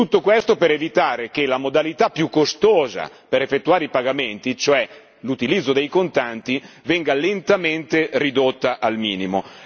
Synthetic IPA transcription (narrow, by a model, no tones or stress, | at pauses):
t̪ut̪ːokwest̪opeɾevit̪aːɾek̟elamod̪alit̪apːjukːost̪oːza̰ | peɾefːet̪ːuaːɾeipaɡament̪it͡ʃoɛ | lut̪ilid̪zːod̪ejkont̪ant̪i | vɛŋɡalent̪ament̪erid̪ot̪ːaʔalmiːnimo̰